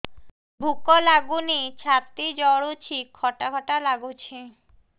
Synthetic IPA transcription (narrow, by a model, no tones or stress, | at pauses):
bʱukolaɡunit͡ɕʰat̪ːid͡ʑɔɽut͡ɕʰikʰːɔʈakʰɔʈalaɡut͡ɕʰe